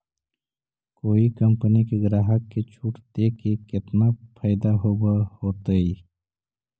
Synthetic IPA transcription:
koːikəmpənikeɡɾaːɦəkːet͡ʃʰuːʈd̪eːkekɪt̪napʰəɪd̪aɦobahoːt̪ai

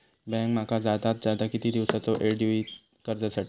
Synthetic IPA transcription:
bɛ̃ŋkmakad͡zad̪at̪̚d͡zjad̪akit̪iːd̪iʋsat͡sɔʔeɖiʋi | kəɾd͡zasaʈʰi

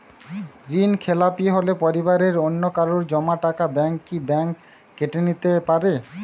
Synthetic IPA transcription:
ɾinkʰelapieɦolepoɾibaɾeɾonːokaɾoɾd͡ʑɔmaʈakabɛŋkːibɛŋkː | eʈenit̪epaɾe

